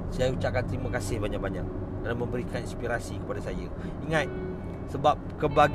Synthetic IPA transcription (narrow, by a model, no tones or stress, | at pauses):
sajaut͡ʃaʔkant̪ɾimakasɪhbaɲak̚baɲa̰k̚ | dalamə̃mbəɾikʰaninspiɾasikəpadasajə | iŋat̪̚ | səbap̚kəbaɡ